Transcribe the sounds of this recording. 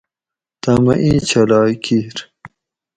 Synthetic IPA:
t̪amɐ̰ʔĩːt͡ɕɐlaːkʰiɾ

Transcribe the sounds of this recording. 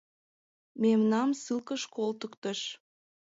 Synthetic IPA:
memnɑmsɨlkəʃkolt̪əkt̪əʃ

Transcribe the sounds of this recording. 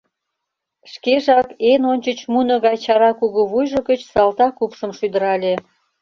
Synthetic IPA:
ʃkeʒɑkenonʲt͡ɕət͡ɕmunoɣɑjt͡ɕɑɾɑkuɣoβujʒəɣət͡ɕsɑlt̪ɑkupʃəmʃyd̪ə̆ɾɑlʲe

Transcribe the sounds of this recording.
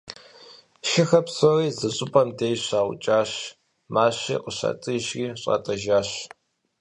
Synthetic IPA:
ʃɪxɐpsoriːzɐɕʼɪpʼɐmdejɕaːwʊ̰t͡ʃʼaːɕ | maːɕḭːqʼəɕɐ̰tʼɨʑriːɕʼa̰ːtʼɐʒaːɕ

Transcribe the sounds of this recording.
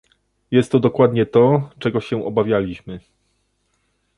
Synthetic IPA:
jɛst̪ːɔd̪ɔkwad̪ɲɛt̪ɔt͡ʂɛɡɔɕɛ̃ʔɔbavʲjalʲiɕmɘ

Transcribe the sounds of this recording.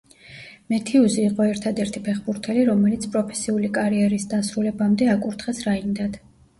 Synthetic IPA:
mɛt̪ʰiuziːqʼɔɛɾt̪ʰad̪ɛɾt̪ʰipʰɛχbuɾt̪ʰɛliɾɔmɛlit̪sʰpʼɾɔpʰɛ̥siulikʼaɾiɛɾisd̪asɾulɛbamd̪ɛakʼuɾt̪ʰχɛsɾaind̪ad̪̥

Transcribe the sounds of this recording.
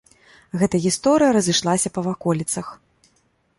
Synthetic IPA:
ɣɛt̪ɐjəɣʲist̪ɔɾɨjɐɾɐzɨʂlˠasʲɐpɐvakɔlʲit̪sɐx

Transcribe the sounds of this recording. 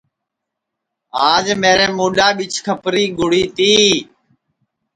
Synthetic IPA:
aːd͡ʒmeːɾeːmoːɗaːɓɪt͡ʃʰkʰəpɾiːɡʱʊɽiːt̪iː

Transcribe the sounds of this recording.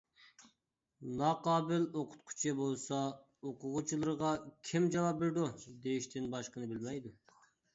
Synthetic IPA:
nɑqɑːbɪloqʰʊ̥t̪̚qʰu̥t͡ʃʰɛbolˠsɑ | oqʰʊʁʊt͡ʃʰilˠɨɾəʁɑkʲʰɪmd͡ʒɑwɑp̚beɾd̪ud̪ejiʃt̪ʰɪnbɑʃqənɨbɪlmɛjd̪u

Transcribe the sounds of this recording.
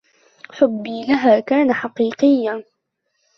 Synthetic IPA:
ħʊbːiːlaɦaːkaːnaħɑqiːqɪjːa

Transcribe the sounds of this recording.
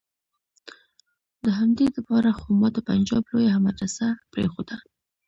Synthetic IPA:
d̪əɦamd̪elapɑɾaxomɑt̪əpand͡ʒɑblojahamaʈasapɾḛxod̪a

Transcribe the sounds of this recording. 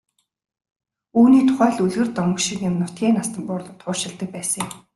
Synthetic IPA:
uːniːt̪ʰʊ̥χæːɮuɮɣɘ̆rt̪ɔmə̆kʃɪ̆kjɪ̆mnʊ̥t̪̚ɡʲiːnast̪ə̆mpʊːrɮɞ̆t̪ʰʊːʃɪ̆ɮt̪ə̆k̚pæːsə̆ŋ

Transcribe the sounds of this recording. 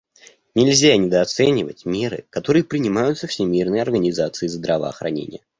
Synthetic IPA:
nʲɪlʲzʲanʲɪd̪əɐt̪sɛnʲɪvətʲmʲe̞ɾɨ̰kɐt̪o̞ɾɨjəpɾʲɪnʲɪmajʊt̪səfsʲɪmʲirnəjɐrɡənʲɪzat̪sɨɪzd̪ɾɐvəɐ̰xɾɐ̰nʲḛnʲɪ̰jə

